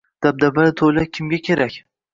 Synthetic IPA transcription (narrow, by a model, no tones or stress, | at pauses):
d̪̥ab̚d̪abalɪt̪ʰojlakʲʰɪmɡʲakʲʰeɾakʲ